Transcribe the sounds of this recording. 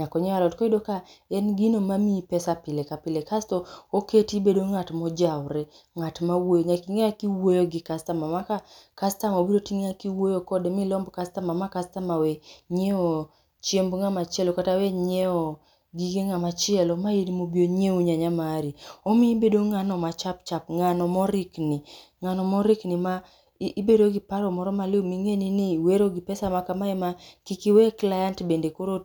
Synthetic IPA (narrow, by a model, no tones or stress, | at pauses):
ɲakɔɲɔalɔtkɔidokaɛnɡinomamipɛsapɪlekapɪlekastɔoketibedoŋatmɔd͡ʒawɾe | ŋatmawojɲakiŋeakiwojoɡɪkastamamakakastamobiɾotiŋakiwojokɔdemɪlɔmbkastamamakastamaweɲeɔ | t͡ʃembŋamat͡ʃɪɛlɔkataweɲeɔ | ɡiɡeŋamat͡ʃɪɛlɔmajinimobjoɲeuɲaɲamaɾiɔmɪibedoŋanɔmat͡ʃapt͡ʃap̚ŋanɔmɔɾɪkni | ŋanɔmɔɾɪknimaː | beɾoɡipaɾɔmɔɾɔmalɪomiŋeniniweɾoɡipɛsamakamaɛmakikiwɛklajantbendekoɾo